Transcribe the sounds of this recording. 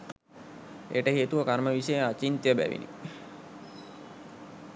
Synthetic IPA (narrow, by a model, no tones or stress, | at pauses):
eːʈəɦeːt̪uʋəkaɾməʋisəjəat͡ʃint̪jəbæ̰ʋḭnḭ